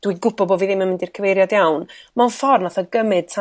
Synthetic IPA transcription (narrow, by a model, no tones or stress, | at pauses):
d̥wiɡʊbɔbɔviðɪmənmɪndirkʰəvejɾjadjawnmanfɔrnaθɔɡəmɨd̥̚tʰa